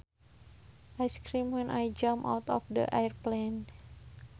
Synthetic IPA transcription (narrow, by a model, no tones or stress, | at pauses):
ʔajskɾimwɛnʔajd͡ʒamʔa̰wt̪ɔ̰fdə̰ʔajərplen